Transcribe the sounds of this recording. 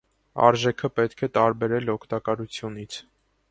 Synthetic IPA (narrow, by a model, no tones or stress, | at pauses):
ɑ̰ɾʒɛkʰəpɛt̪kʰɛt̪ɑɾbɛɾɛlɔkʰt̪ɑkɑɾut͡sʰjunit͡sʰ